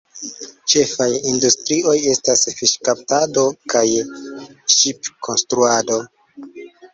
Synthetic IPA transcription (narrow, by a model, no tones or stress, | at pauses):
t͡ʃe̞fajindustɾiʔo̞je̞stasfiʃkap̚tado̞kaj | ʃipkʰo̞nstɾuado̞